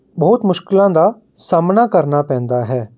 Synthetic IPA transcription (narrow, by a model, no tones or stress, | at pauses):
bɔːt̪mʊʃkɪlãːd̪aː | saːmnaːkəɾnapɛ̃ːnd̪aːɦɛː